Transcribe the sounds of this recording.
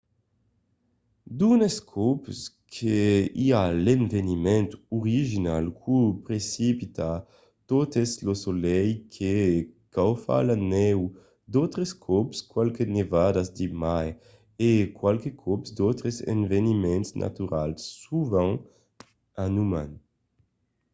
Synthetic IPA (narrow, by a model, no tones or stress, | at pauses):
d̪uneskʰɔps | kʰeialenvenimɛ̃nt̪uʁiʒinalkʰupɾesipit̪a | t̪ot̪eslosolɛjkʰekawfa̰lanɛw | d̪ot̪ɾeskʰɔpskwalkenevad̪azd̪imaj | ekwalkekʰɔpsd̪ot̪ɾezḛnvenimɛ̃nt̪snʔa̰t̪yɾa̰lsːuvãŋ | anuman